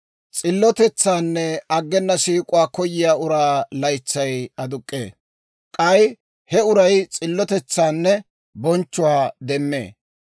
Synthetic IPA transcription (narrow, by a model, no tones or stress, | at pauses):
t͡sʼɪlːɔt̪ɛt͡sːaːnːɛɐɡːɛnːɐsiːkʼʊwaːkɔjɪjaːʊɾaːlɐjt͡sːɐjɐd̪ʊkʼːḛː | kʼɐj | hɛʊɾɐjt͡sʼɪlːɔt̪ɛt͡sːaːnːɛ | bɔnt͡ʃːʊwaːd̪ɛmːḛː